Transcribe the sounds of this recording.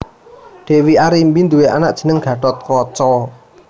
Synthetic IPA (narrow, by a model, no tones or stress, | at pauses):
ɖ̪̥e̤wiaɾimbind̪uweʔa̰na̰ʔd̥ʒ̥ə̤nəŋɡ̥ä̤ɖɔt̪̚kɔt͡ʃɔ